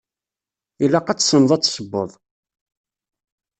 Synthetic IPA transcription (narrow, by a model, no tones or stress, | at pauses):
ilaqɑt͡sːsənðˤæt͡sːsəbːə̰ðˤ